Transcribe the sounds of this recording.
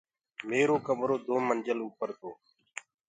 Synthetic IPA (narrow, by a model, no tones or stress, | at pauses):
meːɾoːkəmɾoːd̪ʱoːmənd͡ʒəluːpəɾt̪ʰoː